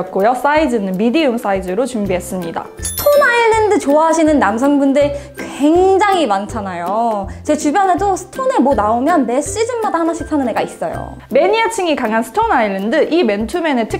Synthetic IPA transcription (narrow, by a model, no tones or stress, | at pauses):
t̚k͈ojos͈aid͡ʑɯnɯnmidiums͈aid͡ʑɯɾot͡ɕumbiɦe̞s͈ɯmɲida̰sʰɯ̥tʰonaiɭːendɯt͡ɕoaɦaɕʰinɯnːams̬ʰʌŋbundɯ | kwwe̞ŋd͡ʑaŋimant͡ɕʰanajot͡ɕe̞t͡ɕubjʌnɦe̞dosʰɯ̥tʰone̞monaomjʌnne̞ɕ͈id͡ʑɯnmadahanaɕʰik̚sʰanɯne̞ɡais͈ʌ̰jo̰ | me̞ɲiat͡ɕʰiŋikaŋɦansʰɯ̥tʰonaiɭːendɯʔime̞ntʰume̞ne̞tʰɯ